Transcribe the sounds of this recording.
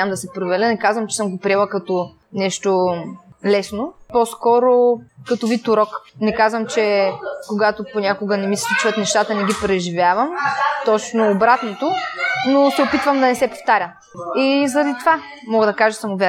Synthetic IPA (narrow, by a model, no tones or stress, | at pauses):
amd̪ɐsɛpɾovɛɾʲlʲənɛkazvɐmt͡ʃɛ̥sɤmɡopɾiɛlˠɐkɐt̪o | nɛʃt̪o | lɛsnopɔskɔɾokɐt̪ovit̪ːʊɾɔknɛkazvəmt͡ʃɛkoɡat̪oponʲakoɡənɛmislʲit͡ʃvɐt̪nɛʃt̪at̪ənɛɡipɾɛʒivʲjavɐmt̪ɔt͡ʃnoːbɾat̪not̪onosɛopit̪vɐmd̪ɐnɛsɛpo̥ft̪aɾʲə | izɐɾɐd̪it̪ova | mɔɡəd̪ɐkaʒəsɐmʊvʲɛ